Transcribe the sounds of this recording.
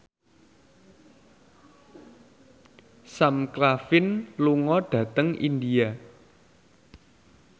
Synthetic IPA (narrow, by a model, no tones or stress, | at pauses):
samkɾafɪnluŋɔɖ̥ä̤t̪əŋʔḭnd̪ia